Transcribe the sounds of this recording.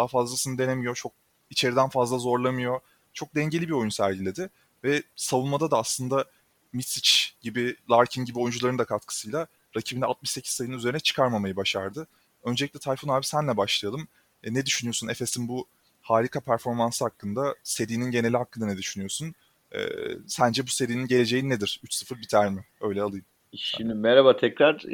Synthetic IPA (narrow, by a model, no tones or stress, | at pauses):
d̪aɦfazlˠasɯnɯd̪e̞nemijo̞t͡ʃʰo̞k̚ | it͡ʃʰe̞ɾid̪ænfazlˠazo̞ɾlˠamɯjo̞ | t͡ʃʰo̞k̚d̪ɛɲɟe̞lʲibio̞junsæɾɟilʲe̞d̪ɪ | vɛsavunmad̪ad̪aːslˠɯnd̪a | mit̪sit͡ʃɟ̥ibilˠaɾcʰinɟibio̞jund͡ʒulˠaɾɯnd̪akʰat̪kʰɯ̥sɯjlˠa | ɾacʰibinɛat̪̚mɯʃse̞cʰi̥ssajɯnɯnyzeɾinɛt͡ʃʰɯ̥kʰaɾmamajɯbaʃa̰ɾd̪ɯ | ø̞nd͡ʒelʲiclʲɛt̪ʰajfonaːbisænlʲɛbaʃlˠajalˠɯm | nɛd̪yʃynyjo̞sune̞fe̞sinbu | haːɾikʰapʰæɾfo̞ɾmansɯhakːɯnd̪ase̞ɾiːninɟe̞nelʲiɦakːɯnd̪anɛd̪yʃynyjo̞sun | ɛ̰ːsænd͡ʒɛbuse̞ɾiːninɟe̞lʲe̞d͡ʒe̞jinːed̪iɾ̥yt͡ʃsɯfɯɾbit̪ʰæɾmɪø̞jlʲɛalˠɯjɯm | ʃimmɛɾabat̪ʰɛcɾaɾ